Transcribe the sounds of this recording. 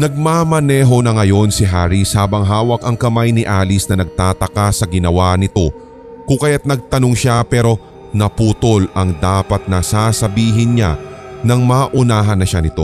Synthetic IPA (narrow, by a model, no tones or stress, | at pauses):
nɐɡ̚maːmɐnɛːɦo̞nɐŋɐjo̞nsɪɦaːɾishaːbɐŋɦaːwɐkɐŋkɐmajnɪʔaːlɪsnɐnɐɡ̚t̪aːt̪ɐkasɐɡɪnɐwanɪt̪o̞ | kʊŋkɐjat̪̚nɐɡ̚t̪ɐno̞ŋʃapɛːɾo̞ | nɐpuːt̪o̞lʔɐŋd̪aːpɐt̪̚nɐsaːsɐbiːɦɪnɲa̰nɐŋmaːʔʊnaːɦɐnːɐʃanɪt̪o̞̰